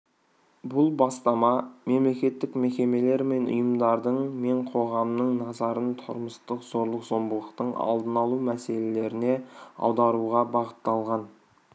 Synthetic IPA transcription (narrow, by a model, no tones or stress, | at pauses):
bʊlˠbɑst̪ɑmɑme̞mle̞kʲe̞t̪ːɪkme̞kʲe̞me̞le̞ɾme̞nʊ̰jəmd̪ɑɾd̪əɴme̞ɴqʰo̞ʁɑmnəɴnɑzɑɾənt̪ʰʊ̰ɾməst̪əqz̥o̞ɾlˠəqz̥o̞mbəlˠəqt̪əɴɑ̰lˠd̪ənɑlˠumæse̞le̞le̞ɾɪne̞ɑ̰wd̪ɑɾuʁɑbɑʁət̪ːɑlˠʁɑn